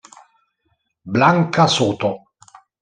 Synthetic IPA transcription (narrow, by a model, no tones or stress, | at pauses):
blaŋkasuːt̪o